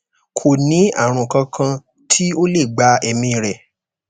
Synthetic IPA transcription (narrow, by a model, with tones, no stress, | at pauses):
kʰo˨nĩ˨˦a̰˦˨ɾ̃ũ˨kã˧kʰã˧ | tʰi˦o˦le˦˨ɡ͡ba˨˧ɛ˧˨mĩ˧˨ɾɛ˨